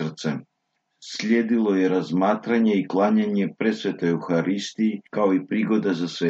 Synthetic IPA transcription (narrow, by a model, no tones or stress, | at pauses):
r̩t̪sɛ | slʲeːd̪ilˠojeɾazmaːt̪ɾaɲeiklˠaːɲaɲepɾet̪sʋet̪ojuxaɾist̪iikaoipɾiɡo̞d̪azasʋe